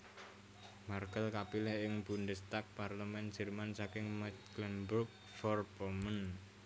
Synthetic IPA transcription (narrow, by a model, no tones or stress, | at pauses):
markəlkapilɛhɪŋb̥undəst̪ak̚parləmɛnd̥d͡ʒ̥ə̤rmansakɪŋmat̪kləmburk̚ | fɔrpɔmən